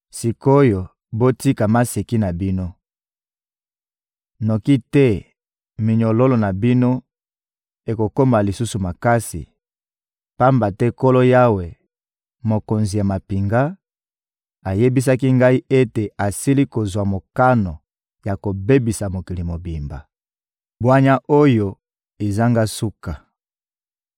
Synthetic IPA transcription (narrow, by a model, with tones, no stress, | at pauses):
si˨ko˦jo˨ | bo˦ti˦ka˨ma˦se˨ki˦na˨bi˦no˦ | no˨ki˦tɛ˦ | mi˨ɲo˨lo˦lo˨na˨bi˦no˦ | e˨ko˨ko˦ma˨li˨su˦su˨ma˨ka˦sḭ˨ | pa˦mba˨tɛ˦ko˦lo˦ja˦we˨ | mo˨ko˨nzi˨ja˨ma˨pi˨ŋɡa˦ | a˨je˦bi˦s̬a˦ki˦ŋɡa˦i˦ʔe˦te˨a˨si˦li˦ko˨zwa˨mo˨ka˦no˨ | ja˨ko˨be˦bi˨sa˨mo˨ki˨li˨mo˨bi˨mba̰˨ | bwa˦ɲa˦ʔo˦jo˦ | e˨za˦ŋɡa˦su˦ka˨